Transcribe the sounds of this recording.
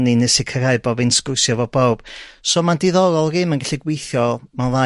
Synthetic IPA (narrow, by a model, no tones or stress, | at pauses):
ninɨsɪkʰəɾaɨbɔvɪnsɡ̥ʊrsjɔvɔbowb̥sɔmandiðɔɾɔlˠrɨmənɡaɬiɡwejθjɔmaðˠa